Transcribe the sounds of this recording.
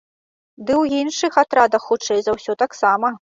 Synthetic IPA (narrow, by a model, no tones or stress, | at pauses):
d̪ɨwjinʂɨxat̪ɾad̪ɐxːut͡ʂɛjzawsʲɔt̪aksamɐ